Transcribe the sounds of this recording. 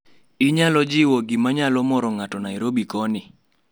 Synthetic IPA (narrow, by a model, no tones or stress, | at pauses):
ɪɲalɔd͡ʒɪwɔɡɪmaɲalɔmɔɾɔŋatɔnaiɾobikɔnɪ